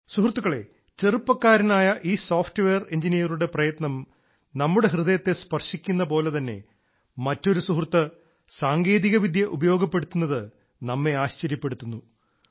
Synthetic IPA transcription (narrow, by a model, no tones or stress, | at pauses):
suɦrt̪ːuɣɐɭe̞̰ | t͡ɕerɨpːɐkːaːɾɐnaːjɐʔiːsoːfʈɨʋeːre̞ɲd͡ʑinijɐruɽe̞prɐjɐt̪nɐm | nɐmːuɽe̞ɦrɨðɐjɐt̪ːe̞spɐrʂikʲːunːɐpo̞ːle̞t̪ɐnːe̞̰ | mɐtːo̞ɾusuɦrt̪ːɐ | saːŋɡe̞ːðiɣɐʋid̪ʱjɐʔubɐjo̞ːɡɐpːe̞ɽut̪ːunːɐðɨ | nɐmːe̞aːɕt͡ɕɐɾjɐpːe̞ɽut̪ːunːu